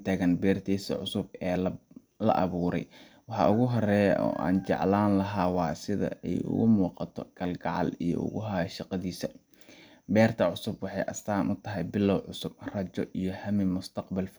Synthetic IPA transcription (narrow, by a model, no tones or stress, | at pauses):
t̪ʰaːɣɐnbɛːrt̪ʰiːsɐ̰ʕʊsʊb̚ɛː | lɐ̰ʔɐβuːɾɛ̰j | wɑħɑ̰ʔʊɣʊɦɔrɛɔ̰ːʔa̰ːnt͡ʃɑ̰ʕlaːnlɐɦaːwɑːsɪðɐ̰ɛjʊ̰ɣʊmuːqɑt̪ʰɔɡ̥ɐlɡɑʕɑ̰lijɔ̰ʔʊ̰ɣʊɦaːʃɑqɑðiːsɐ | bɛːrt̪ʰɐʕʊsʊbwɑħɑjʔɐ̰st̪aːnʔʊt̪ʰɐɦɛjbɪlːɐwʕʊsʊb̥rɐt͡ʃɔʔijɔhɐmɪmʊst̪ʰɑqbɐlf